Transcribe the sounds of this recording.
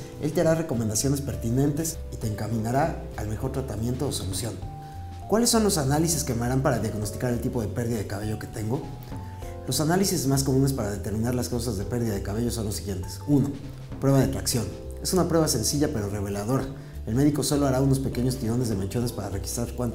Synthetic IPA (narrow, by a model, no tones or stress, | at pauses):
e̞̰lt̪eaɾare̞ko̞mend̪asjo̞ne̞spe̞ɾt̪inẽ̞nt̪e̞s | it̪e̞ːŋkamĩnaɾaː | lme̞xo̞ɾt̪ɾat̪amje̞nt̪o̞ːso̞lusjo̞n | kwalesːo̞nlo̞sanalisiske̞maɾampaɾaðjaɣno̞st̪i̥kaɾe̞lt̪ipo̞ðe̞pe̞ɾðiðaðe̞kaβe̞ʝoke̞̥t̪e̞ŋɡo̞ | lo̞sanalisizmasko̞mũne̞spaɾaðe̞t̪e̞ɾmĩnaɾlaskawsazðe̞pe̞ɾðiðaðe̞kaβe̞ʝo̞so̞nlosiɣje̞nt̪esuno̞ | pɾwe̞βaðet̪ɾaksjo̞n | e̞sunapɾwe̞βase̞nsiʝape̞ɾo̞re̞β̞e̞laðo̞ɾa | e̞lme̞ðiko̞so̞lo̞aɾauno̞spe̞ke̞ɲo̞st̪iɾo̞ne̞zðemant͡ʃo̞ne̞spaɾare̞xi̥st̪ɾaɾkwant̪